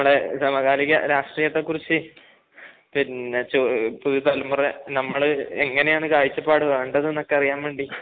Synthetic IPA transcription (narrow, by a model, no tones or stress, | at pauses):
mːɐɭesɐmɐɣaːɾiɣʲɐ̰ɾaːʂʈriːjɐt̪ːekːurit͡ɕːɨ | pint͡ɕoːpuðut̪ɐlumɐrenɐmːɐɭɨeŋːɐne̞jaːɳɨkaːjit͡ɕːɐpːaːɽɨʋeːɳɖɐðɨnenokːeɐrijaːmʋe̞ːɳɖi